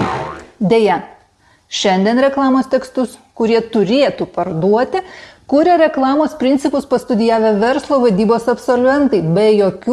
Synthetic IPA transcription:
d̪ʲeːjɛ | ʃʲɛnʲd̪ʲɛnɾʲɛklˠɑːmoːst̪ʲɛkst̪ʊskʊɾʲiɛt̪ʊɾʲeːt̪uːpɐɾd̪uɔt̪ʲɪkuːɾʲeɾʲɛklˠɑːmoːspʲɾʲɪnʲt̪sʲɪpʊspɐst̪ʊd̪ʲɪjæːʋʲɛʋʲɛɾslˠoːʋɐd̪ʲiːboːsɐpsolʲʋʲɛnt̪ɐɪbʲɛjoːkʲu

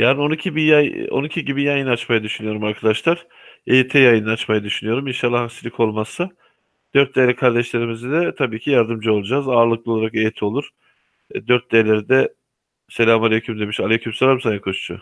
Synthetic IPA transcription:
jaːnio̞nicʰibijajo̰nicʰiɟibijajɯnat͡ʃmajad̪yʃynyjo̞ɾumaɾkʰad̪aʃlˠaɾ̥ | ejit̪ʰɛjajɯnɯat͡ʃmajad̪yʃynyjo̞ɾuminʃalˠːahaksilʲikʰo̞lˠmasa | d̪̥øɾt̪̚d̪eːlʲɛkʰaɾd̪ɛʃlʲe̞ɾimizid̪ɛt̪ʰabiːcʰijaɾd̪ɯmd͡ʒɯo̞lˠud͡ʒaːzaːɾlˠɯk̚lˠɯo̞lˠaɾakejt̪ʰo̞lˠuɾ̥ | d̪øɾt̪̚d̪elʲeɾid̪ɛ | selʲamalʲecʰymd̪emiʃalʲecʰymselʲamsanjakʰot͡ʃt͡ʃʰʊ̰

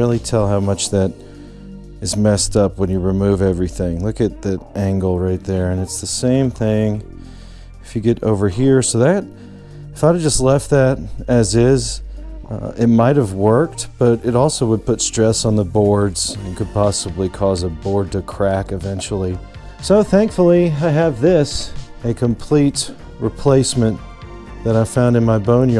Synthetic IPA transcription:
ɪlˠitʰɛlˠɦaʊmʌt͡ʃðɨɾ | ɨzmɛstʌpwə̃njɨɹɨmʉvɛvɹiθɪ̃ŋlʊkɨt̪̚ðɨʔæ̃ŋɡl̩ˠɹaɪt̪̚ðə˞ɨ̃nɨtsðɨsẽɪ̃mθɪ̃ŋ | ɨfjɨɡɛɾoʊvə˞ɦiɹsoʊðɨɾ | ɨfaɪɾɨd͡ʒʌstˡlɛft̪̚ðɨɾɨzɪz | ɪt̚maɪt̚hɨvwɜ˞k̚t̚b̥ʌɾɨɾɔlˠsoʊwəd̚pʊtstɹ̥ɛsn̩ðəbɔɹdz̥̃nkɨd̚pɑsəblikʰɔzəbɔɹd̚tɨkʰɹ̥ækɨvɛ̃nt͡ʃl̩ˠi | soʊθæ̃ŋkfl̩ˠiaɪɨvðɪsɨkʰɨ̃mpʰl̥it | ɹɨpʰl̥eɪsmɨ̃n | ðɨɾaɪv̥fãʊ̃ndɨ̃nmaɪbõʊ̃n

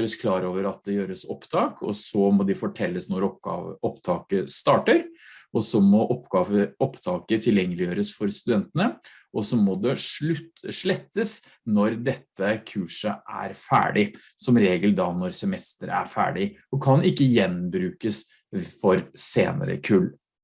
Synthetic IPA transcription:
ɾəskʰlɑːɾoːʋəɾɑt̪̚d̪ɛjøːɾəsɔ̰pːt̪ʰɑːkʰɔ̰sɔmɔd̪ɪfɔʈʰɛlːəsnɔɾɔpt̪ʰɑːkəst̪ɑːʈəɾʔɔsɔmɔʔɔpɑəɔpːt̪ʰɑːkət̪ʰɪljɛŋːəlɪjøːɾəsfɔɾst̪ʉd̪ɛnt̪ənə | ʔɔsɔmɔd̪ɛ | ʂɭɛt̪ːəs | nɔɾd̪ɛt̪ːəkʰʉːʂəʔæ̰ɾfæ̰ːɖɪ | sɔmɾeːɡəld̪ɑnɔɾsɛmɛst̪əɾæ̰ɾfæ̰ːɖɪɔkʰɑnɪkːəjɛnbɾʉːkəs | fɔɾsḛːnə̰ɾə̰kʰʉlː

